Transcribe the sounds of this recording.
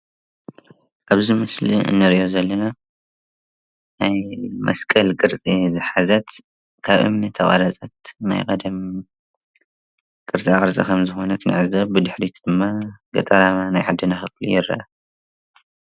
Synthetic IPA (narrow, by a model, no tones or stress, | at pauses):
ʔaβzimɨslḭɨ̰nːɨɾiʔozɐlːɐna | najmʔɐ̰skʼɐlkʼɨɾt͡sʼizɨħazɐt̪ | kʰaβʔɨ̰mnɨt̪ʰɐʔʼa̰ɾɐt͡sʼɐt̪na̰jkʼɐd̪ɐm | kʼɨɾt͡sʼiaχʼɨɾsʼɐ̰kʰɐmzɨxo̞nɐt̪nɨ̰ʕɨzɐβbɨd̪ɨħɾit̪ʰd̪̥ɨmːaɡɐ̰t̪ʼɐɾananajʕad̪ːɨnaxɨflḭjɪɾɐ̰ʔɐ